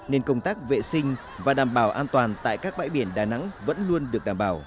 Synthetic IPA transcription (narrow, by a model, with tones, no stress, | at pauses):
ne˧nkə˧wŋ͡mt̪aː˦˥k̚vḛ˧˨sï˧ŋ̟ | vaː˨˩ɗaː˨˩mɓaː˧˩wʔaː˧nt̪waː˨˩nt̪a̰ː˧˨jkaː˦˥k̚ɓa̰ː˧˥jɓi˧˩ənɗaː˨˩jna̰˧˥ŋvə̰˧˥nlu˧ənɗɨ˨˩ək̚ɗaː˨˩mɓaː˧˩w